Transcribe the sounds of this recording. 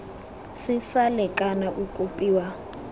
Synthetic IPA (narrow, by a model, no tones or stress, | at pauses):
sɪsalɛkʼanaʔukʼupʼiːwa